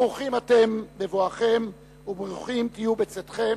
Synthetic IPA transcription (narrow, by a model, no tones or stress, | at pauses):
uχimate̞mbevoaχe̞m | ubʁuχimt̪ijubet͡set̪χe̞